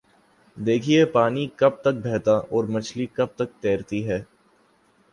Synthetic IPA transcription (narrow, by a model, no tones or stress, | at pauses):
d̪eːkʰiepaːnikɐb̚t̪ɐk̚bʱɛːt̪aʔɔːɾmɐt͡ʃʰlikɐb̚t̪ɐk̚t̪eːɾt̪iɦɛː